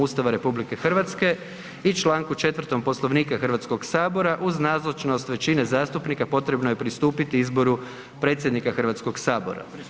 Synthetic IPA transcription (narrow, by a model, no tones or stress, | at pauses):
ust̪aʋaɾe̞publike̞xr̩ʋat̪ske̞ | it͡ʃlˠaːŋkut͡ʃe̞t̪ʋər̩t̪o̞mpo̞slˠo̞ʋniːkaxr̩ʋat̪sko̞ɡsaːbo̞ɾaʔuznaːzlˠot͡ʃno̞st̪ʋe̞t͡ʃine̞zaːst̪upnikapo̞t̪ɾe̞bnoje̞pɾist̪uːpit̪iizbo̞ɾu | pɾe̞ːt̪sʲje̞d̪nikaxərʋat̪sko̞ɡsaːbo̞̰ɾa̰